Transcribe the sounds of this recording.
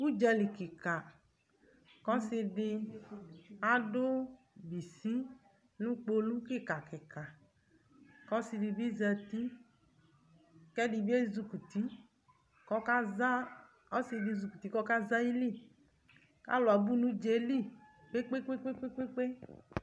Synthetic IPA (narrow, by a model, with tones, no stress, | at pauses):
u˦d͡ʒɛ˧li˨ki˨ka˨ | kɔ˦sɪ˧ɖɪ˧ | a˦dʊ˦ | bi˨si˦ | nũ˦k͡po˦lu˦kɪ˦˨ka˨kɪ˨ka˨ | kɔ˦si˧di˧bi˦zɛ˧t̪i˦ | kɛ˦di˧bi˦e˦zu˧ku˨t̪i˦ | kɔ˦ka˦za˦ | ɔ˦sɪ˧dɪ˧zu˨ku˨t̪i˨˦kɔ˦ka˦za˦ji˦li˦˨ | ka̰˦lʊ˨a˨bu˦nũ˦d͡ʒe˦li˦ | k͡pe˦k͡pe˦k͡pe˦k͡pe˦k͡pe˦k͡pe˦k͡pe˦